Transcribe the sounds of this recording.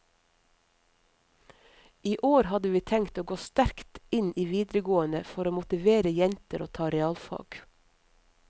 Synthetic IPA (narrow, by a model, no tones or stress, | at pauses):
ʔiːʔoːɾhɑd̪əʋiːt̪ʰɛŋt̪oːɡoːst̪æɾkt̪ɪnʔiːʋiːd̪ɾəɡoːənəfɔɾoːmʊt̪ɪʋeːɾəjɛnt̪əɾoːt̪ʰɑːɾɛɑːlfɑ̰ːɡ̥